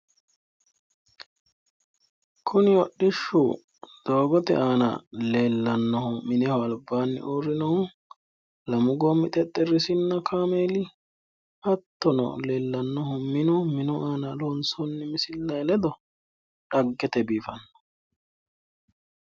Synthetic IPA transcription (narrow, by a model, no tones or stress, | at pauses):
kʰʊnɪwɔɗːɪʃːʊ | d̪̥oːɡɔt̪ɛ̰ʔaːnɐ̰le̞ːlːɐnːɔhʊmɪnɛhɔɐlbaːnːɪ̰ʔoːɾɪnɔhʊ | lɐmʊɡɔmːɪt̪ʼɛt̪ʼːɛɾɪsɪnːɐkʰaːmeːlɪ | hɐt̪ːɔnɔ̰leːlːɐnːɔhʊmɪnʊmɪnʊʔaːnɐlonsɔnːɪmɪsɪlːɐlɛd̪ɔ | ᶑɐɡːɛt̪ɛbiːfɐnːɔ̥